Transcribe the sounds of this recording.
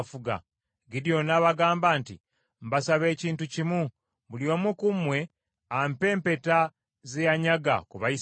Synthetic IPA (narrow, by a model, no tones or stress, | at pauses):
fuɡa̰ | ɡidjo̞naβaɡaːmbaːnti | m̩basaβe̞ːciːntucimu | βuljo̞ːmukumwe̞ | ampe̞ːmpe̞ta | zejaɲaɡa̰kuβai